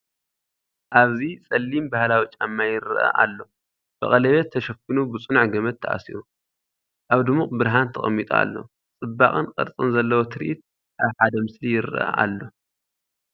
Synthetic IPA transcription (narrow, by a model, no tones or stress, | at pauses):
ʔaβzit͡sʼɐlːimbahlawit͡ʃʼamːajɪɾʔɐ̰ʔa̰lːo̞ | b̥ɐ̰χʼɐlɐβet̪ʰːɐʃɐfɨnubɨt͡sʼɨnʕɡɐmɐt̪ʰːɐʔa̰sḭɾu | ʔaβd̪ɨmuχʼbɨɾɦant̪ʰɐχʼɐ̰mːit̪ʼa̰a̰lːo̰ | t͡sʼɨbːaχʼɨnqʼɐ̰ɾt͡sʼɨnzɐlːɐwot̪ʰɨɾḭʔit̪̚ | ʔaβħad̪ɐmɨslijɪɾɨʔɐ̰ʔa̰lːo̞